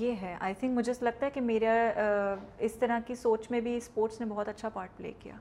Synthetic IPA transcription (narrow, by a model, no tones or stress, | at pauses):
jeːɦɛʔa̰ːɪt̪ʰɪ̃ŋkmʊd͡ʒʱeselɐɡ̚t̪aɦɛkimeːɾa | ɪst̪ɐɾakisoːt͡ʃmẽbʱispoːɾʈsnebɔɦɔt̪ɐtːʃʰapaːɾʈ̚plḛːkija̰ː